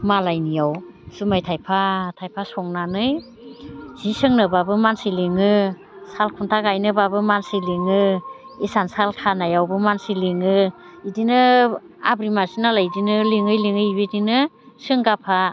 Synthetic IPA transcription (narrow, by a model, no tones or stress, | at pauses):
malajnijawsumajtʰajpʰatʰajpʰasɔŋnanɯj | z̥isɯŋnɯbabɯmansiliŋɯ | salkʰuntʰaɡajnɯbabɯmansɯjliŋɯ | isansaltʰanajawbɯmansiliŋɯ | idinɯ | a̰bɾimasinalajdinɯliŋɯjliŋɯjβedinɯ | sɯŋɡapʰa